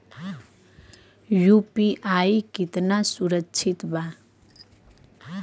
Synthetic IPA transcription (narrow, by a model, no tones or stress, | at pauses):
jupiʔajkit̪nasuɾəkːt͡ʃʰit̪ba